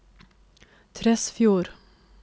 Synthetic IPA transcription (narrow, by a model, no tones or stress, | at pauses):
t̪ʰɾɛsfjuːɾ